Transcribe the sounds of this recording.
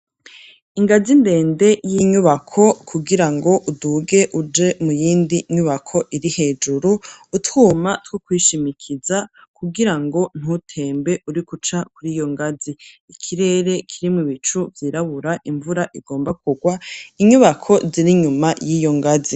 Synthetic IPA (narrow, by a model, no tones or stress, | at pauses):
iŋɡazimbe̞ːnde̞jiɲuβakʰo̞kʰuɡiɾaŋɡo̞ʔuduɡe̞ʔud͡ʒe̞mujiːndiɲuβakʰo̞ʔiɾihe̞ːd͡ʒuɾuːthumatwokwiːʃimikʰizakuɡiɾaŋɡo̞n̥hutʰe̞ːmbe̞ʔuɾikut͡ʃakuɾijo̞ŋɡaziikʰiɾe̞ːɾe̞kʰiɾimuβit͡ʃuvjiːɾaβuɾaʔiɱvuɾaʔiɡo̞ːmbakʰuɡwaiɲuβakʰo̞ziɾiɲumajiːjo̞ŋɡazi